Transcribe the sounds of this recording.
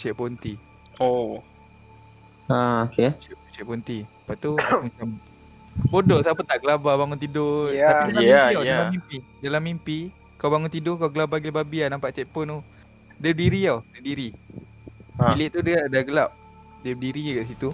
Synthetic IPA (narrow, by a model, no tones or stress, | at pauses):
t͡ʃɛʔ̚pont̪i | o | aoket͡ʃɛt͡ʃɛʔ̚pont̪i | paʔt̪umat͡ʃam | bodɔʔsapət̪aʔɡəlababaŋʊnt̪̬idoaaidalamaiaaamimpidalamːimpi | kawbaŋʊnt̪idʊkaɡəlabaɡilbabianampaʔt͡ʃɛʔ̚pɔno | dədiɾiawdədiɾi | ilɪʔt̪udəadaɡəlap̚ | dɛdiɾikaʔs̬it̪u